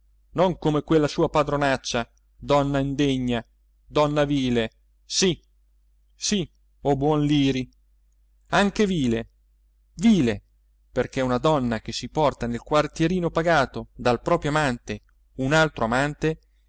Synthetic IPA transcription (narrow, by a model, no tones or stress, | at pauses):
noŋkomekwelːasuːapad̪ɾonat͡ʃːa | d̪ɔnːaind̪eɲːa | d̪ɔnːaviːle | si | si | obwɔnliːɾi | aŋkeviːle | viːle | perkeunad̪ɔnːak̟esipɔrt̪anelkwart̪jeɾiːnopaɡaːt̪od̪alpɾɔːpɾjoamant̪e | unalt̪ɾoamant̪e